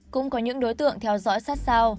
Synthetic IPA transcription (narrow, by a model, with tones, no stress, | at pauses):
kʊ̰˧˥ŋ͡mkɔ˨˦ɲɨ̰˧˥ŋɗo˨˦jt̪ɨ̰˧˨əŋt̪ʰɛ˧wzɔ̰˧˥jsaː˦˥t̚saː˧w